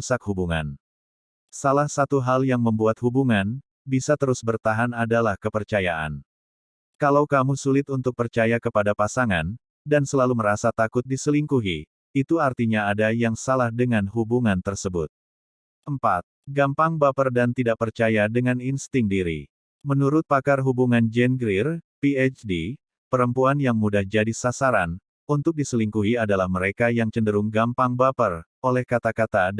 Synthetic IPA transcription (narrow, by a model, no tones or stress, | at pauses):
sak̚hubuŋa̰n | salahsat̪uɦaljaŋməmbuat̪̚hubuŋan | bisat̪əɾʊsbərt̪aɦanadalahkəpərt͡ʃajaʔa̰n | kalawkamusulɪt̪unt̪ʊk̚pərt͡ʃajakəpadapasaŋan | dansəlaluməɾasat̪akʊt̪̚disəliŋkuɦi | it̪uart̪iɲaːdajaŋsalahdəŋanɦubuŋant̪ərsəbʊt̪̚ | ʔəmpa̰t̪̚ɡampaŋbapərdant̪idaʔpərt͡ʃajadəŋaninst̪ɪŋdiɾḭ | mənuɾʊt̪̚pakarɦubuŋand͡ʒɛnɡɾirpiɛt͡ʃdi | pəɾəmpuanjaŋmudahd͡ʒadisasaɾan | unt̪ʊk̚disəliŋkuɦiadalahməɾekajaŋt͡ʃəndəɾuŋɡampaŋbapər | olɛhkat̪akat̪a